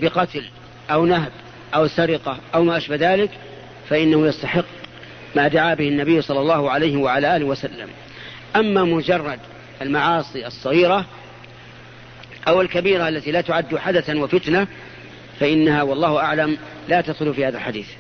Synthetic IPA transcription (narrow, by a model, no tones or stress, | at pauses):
bɪqɑt̪l | ʔawnaɦb | ʔawsaɾɪqɑʔawmaːʔaʃbahðaːlɪk | faʔɪnːahʊjast̪aħɪqː | maːd̪aʕaːbɪhɪnːabɪjːʊsˤɑlːɑlˤːɑːhʊʕalajhɪwaʕalaːʔaːlɪhwasalːa̰m | ʔamːamʊd͡ʒɑrˤːɑd̪ | ʔalmaʕɑːsˤiʔɑsˤːɑɣiːɾa | ʔawɪlkabiːɾaʔalːat̪iːlaːt̪ʊʕad̪ːʊħad̪aθawafɪt̪na | faʔɪnːahawɑlˤːɑːhʊʔaʕlam | laːt̪ad̪xʊlfiːhaːðalħad̪iːθ